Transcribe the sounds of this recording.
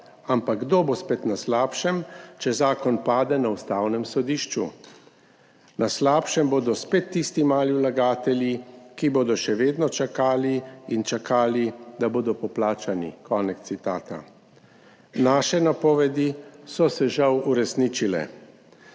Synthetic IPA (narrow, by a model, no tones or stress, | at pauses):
ampaɡ̚ɡd̪obospet̪naslaːpʃɛmt͡ʃɛzaːkɔnpaːd̪ɛnaust̪aːwnɛmsɔd̪iːʃt͡ʃṵ | naslaːpʃɛmboːd̪ɔspeːt̪ːist̪imaːliwlaɡaːt̪ɛljikiboːd̪ɔʃɛʋeːd̪nɔt͡ʃakaːliint͡ʃakʰaːlid̪aboːd̪ɔpɔplaːt͡ʃanḭkʰɔːnɛkt̪sit̪a̰ːt̪a̰ | naːʃɛnapɔːʋɛd̪isɔsɛʒawuɾɛsniːt͡ʃilɛ̰